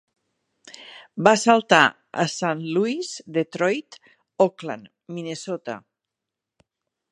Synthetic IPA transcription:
basalˠt̪a̰ | ə̰sanluizd̪et̪ɾɔjt̪ | okla̰n | minesot̪a̰

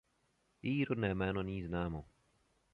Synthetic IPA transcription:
iːɾod̪nɛːmɛːnoniːznaːmo

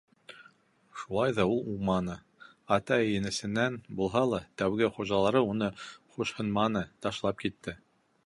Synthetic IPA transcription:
ʃulˠɑjðɑulˠumɑnɤ | ɑt̪ɑjɘ̆nɘ̆sɘ̆nːænbulˠɦɑlˠɑt̪æwɡɘχuʒɑlˠɑɾɤunɤχuʃhɤ̆nmɑnɤt̪ɑʃlˠɑp̚kit̪ːɘ

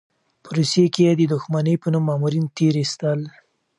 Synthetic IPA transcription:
pʰəɾosekejed̪əd̪ʊxmanəjpənumːɑmuɾint̪eɾist̪əl

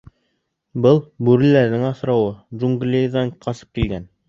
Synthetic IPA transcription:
bɤlˠbʉɾɘ̆læɾðɘŋɑθɾɑwɤʒuŋɡlʲeðɑɴqɑsɤ̥p̚kilɡæn

